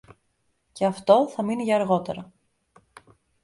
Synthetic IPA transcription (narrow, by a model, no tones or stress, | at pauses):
ce̞ɐft̪o̞θɐminiʝɐːɾɣo̞t̪e̞ɾɐ